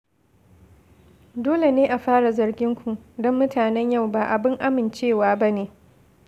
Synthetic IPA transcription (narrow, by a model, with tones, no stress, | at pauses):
doː˦le˨neː˦ʔa˨ɸaː˦ɽa˨zɐ˨rɡʲɪ˦ŋkʷu˨dɔ˦mːʊ˦taː˨nɛ˦ɲja˦˨wba˨ʔa˨bɪ˦ŋʔa˦mɪ˨nt͡ʃeː˦˨waː˦ba˦neː˨